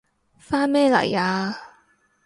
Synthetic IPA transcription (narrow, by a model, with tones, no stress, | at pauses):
faː˥nmɛː˥˩lɐ̰˨˩jaː˧